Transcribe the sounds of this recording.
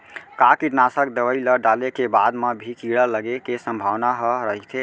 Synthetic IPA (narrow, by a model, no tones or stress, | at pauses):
kakiʈnasəkd̪əʋəiləɖalekebad̪mebʱikiɽələɡekesə̃mbʱaʋnaɦɔɾəɦit̪ʰe